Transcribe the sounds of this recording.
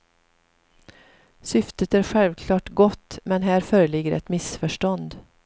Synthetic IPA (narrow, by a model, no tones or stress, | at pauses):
sʏft̪ət̪æːɾɧɛlvkʰlɑːʈɡɔt̪ːmɛnɦæːɾfœːɾəɭɪɡːəɾʔɛ̰t̪mɪsfœʂʈɔnd̪